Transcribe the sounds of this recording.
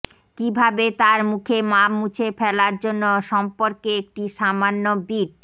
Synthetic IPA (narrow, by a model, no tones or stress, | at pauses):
kibʱabet̪aɾmukʰemamut͡ɕʰefɛlaɾd͡ʑonːoʃɔmpoɾkeek̚ʈiʃamanːobiʈ̚